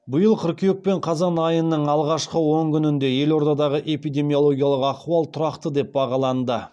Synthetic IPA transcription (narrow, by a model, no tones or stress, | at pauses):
bʊjəlˠqʰʊɾkʲejek̚pe̞ɴqʰɑzɑnɑjənːəɴɑlˠʁɑʃqəwo̞ŋkʲʰʏnɪnd̪e̞je̞lo̞ɾd̪ɑd̪ɑʁəʔe̞pijd̪e̞mijo̞lˠo̞ɡʲijɑlˠəqɑχuɑlˠt̪ʰʊɾɑqt̪əd̪e̞p̚bɑʁɑlˠɑnd̪ə